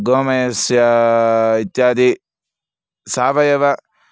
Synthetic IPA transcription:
ɡoːmɐjɐsjɐ | it̪jaːd̪i | saːʋɐjɐʋɐ

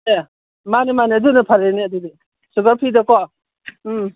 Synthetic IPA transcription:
e | manimanidunɯpʰaɾeniadudi | suɡapʰidɔkɔ

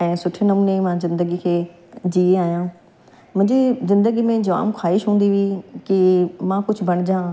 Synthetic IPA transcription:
ɛ̃ːsʊʈʰnɐmuːnemãzɪ̃nd̪əɡikʰeː | d͡ʑiːeaːjãː | mʊ̃ɦɲd͡ʑizɪ̃nd̪əɡimẽd͡ʑɐʋa̰ːmkʰaːɪʃɦũːn̆d̪iʋikimãkʊd͡ʑʰʱʊbɐɽ̃d͡ʑãː

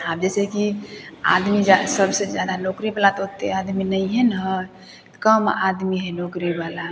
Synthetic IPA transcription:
ab̚d͡ʒɛsekia̰d̪mid͡ʒasəbʱsed͡ʒjad̪anokɾibalat̪ɔɦot̪ead̪minəjɦenɦə | kəmad̪miɦenokɾibala

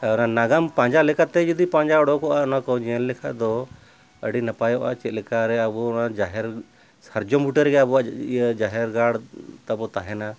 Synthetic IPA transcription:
ɔnanaɡampãɲd͡ʒalɛkat̪ɛd͡ʒud̪ipãɲd͡ʒaɔɽɔkɔʔaɔnakɔd͡ʒɛɛnlɛkʰad̪ɔ | əɖinapajɔʔat͡ʃɛt̪̚lɛkaɾɛabɔnad͡ʒaɦɛɾ | səɾd͡ʒɔmbuʈəɾɡɛabɔad͡ʒaɦɛɾɡaɽt̪abɔt̪aɦɛna

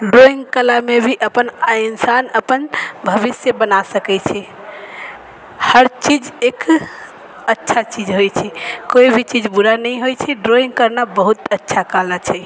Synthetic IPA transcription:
ɖɾoiŋɡkəlamebʱiʔəpəninsanəpənbʱəʋisjəbənasəkɛt͡ʃʰɛ | həɾt͡ʃid͡ʒek | ətːʃʰat͡ʃid͡ʒɦojt͡ʃʰɛkoibʱit͡ʃid͡ʒbuɾanəiɦojt͡ʃʰɛɖɾoĩŋɡ̚kəɾnabəɦut̪ətːʃʰakalat͡ʃʰɛ

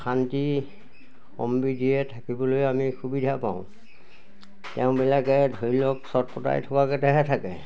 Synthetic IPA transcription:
xʰanti | ɔ̰mbidiɛtʰakibɔlojamixubidʱapa̰ʊ̃ | tɛʊ̃bɛlakɛdʱoilɔksɔt̚pɔta̰jtʰɔkakɛtɛɦɛtʰakɛ̰

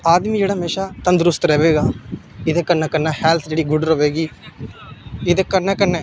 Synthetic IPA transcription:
aːd̪mĩːd͡ʒeːɽaːɦmeːʃaːt̪ənd̪ɾʊst̪ɾɛːʋeːɡaː | ɪd̪eːkəɾnaːkəɾnaːhɛːlt̪ʰd͡ʒeːɽiːɡʊɖəɾəʋeːɡiː | ɪd̪eːkəɾnɛːkəɾnɛ̃ː

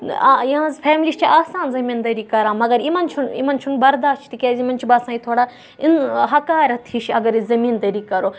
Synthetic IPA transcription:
jiɦãzpʰeːmliːʃt͡ʃʰiaːsaːnzɐmiːnd̪ɐɾiːkɐɾãːmɐɡɐɾimɐnt͡ʃʰunḭmɐnt͡ʃʰunbɐɾd̪aːʃt͡ʃʰt̪ikʲeːzimɐnt͡ʃʰibaːsãːit̪ʰoːɽaː | inɦɐkaːɾɐt̪ʰiʃɐɡɐɾizɐmiːnd̪ɐɾiːkɐɾoː

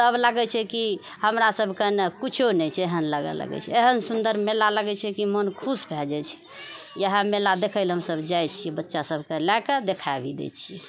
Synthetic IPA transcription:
t̪əblaɡɛt͡ʃʰɛki | həmɾasəbʱkenekut͡ʃʰonɛt͡ʃʰeɦənləɡə̰lə̰ɡɛ̰t͡ʃʰɛ̰eɦənsund̪əɾmelaləɡɛt͡ʃʰɛkimənkʰusbʱɛld͡ʒɛt͡ʃʰɛ̥ | jəɦãmelad̪ekʰəlɦəmsəbd͡ʒajt͡ʃʰibətːʃasəbʱkelaked̪ekʰabid̪ḛt͡ʃʰi

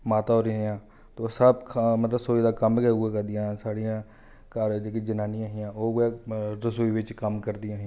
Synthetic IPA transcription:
maːt̪aɦoːɾjãɦɪjãː | t̪osəbkʰmət̪ləbsoːid̪aːkəmkeɡakəɾd̪ɪjãːsaːɽɪjãː | kaːɾd͡ʒeːkid͡ʒənaːnɪjãːɦɪjãːoːɡeɾəsuːiʋɪt͡ʃkəmkəɾd̪ɪjãːɦa

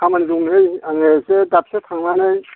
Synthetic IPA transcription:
amaniduŋnɯjaŋesedap̚setʰaŋnanɯj

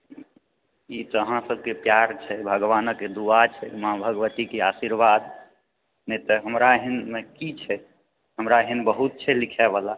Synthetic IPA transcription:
it̪ɔəɦãsəbʱkepjaɾt͡ʃʰɛbʱəɡʋanəkːed̪uat͡ʃʰɛmabʱəɡʋət̪ikeasiɾʋad̪ | nɛt̪ɔɦəmɾaɦinmekit͡ʃʰɛ | ɦəmɾaəɦinbəɦut̪̚t͡ʃʰɛlikʰɛbala

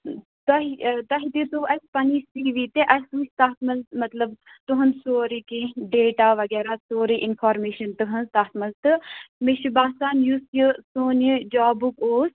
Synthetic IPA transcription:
t̪ɐɦit̪ɐɦid̪it̪uʔɐsʲpɐnisiʋit̪eʔɐsust̪aːt̪ʰmɐlmɐt̪lɐb | t̪uɦɐnsoːɾikẽɖeːʈaːʋɐɡɛːɾaːsoːɾiʔɪnfʰaːɾmeːʃɐnt̪ɨɦɐnzt̪aːɦt̪ʰmɐlt̪ɨmiʃibaːsaːnjusjisoːnjid͡ʒaːbukoːs

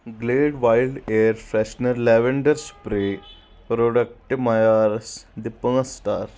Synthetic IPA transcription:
ɡleːɖʋajlɖeɾfɾɛʃnəɾlɛʋeɳɖəɾsu̥pɾe | pɾoɖək̚ʈimajaɾsd̪ipəŋɐsʈaːɾ

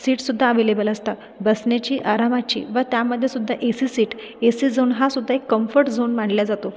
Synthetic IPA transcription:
siːʈsud̪ʱːaəʋelebəlast̪a | bəsnat͡ɕiːʔaɾamat͡ɕḭːʋət̪jaməd̪ʱːjesud̪ʱːaʔesisiːʈ | esiːd͡zoːnɦasud̪ʱːaekːəmfəɾʈd͡zoːnmaɳljad͡zat̪o

